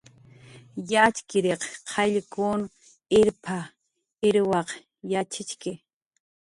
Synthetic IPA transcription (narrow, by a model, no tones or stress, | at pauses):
jat͡ʃkɪɾeqqʰɑʎkun | ɪɾpʰa | ɪɾwɑq | jat͡ʃɪt͡ʃkɪ